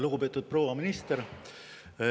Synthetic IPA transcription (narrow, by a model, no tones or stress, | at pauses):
luɡ̥upe̞ːt̪ːˑud̪̥̚pro̞ːvɑminist̪eɾ